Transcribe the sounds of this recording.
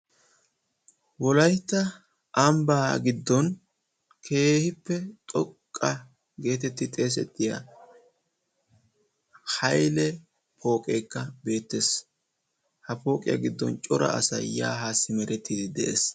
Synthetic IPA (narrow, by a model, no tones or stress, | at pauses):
wɔlɐjt̪ːɐ | ʔɐmbaːɡɪd̪ːɔn | kʰe̞ːhɪpːɛt̪ʼɔkʼːɐ | ɡe̞ːt̪ɛt̪ːɪt̪ʼe̞ːs̬ɛ̰t̪ʼːɪja̰ | hɐjlɛ | pʰo̞ːkʼeːkːɐbe̞ːt̪ːeːs | hɐpo̞ːkʼɪ̰jɐ̰ɡɪd̪ːɔ̰nt͡ʃʼɔɾɐ̰ʔɐ̰sɐ̰jja̰ːɦaːsːɪmɛɾɛt̪ːiːd̪ɪd̪ɛʔeːs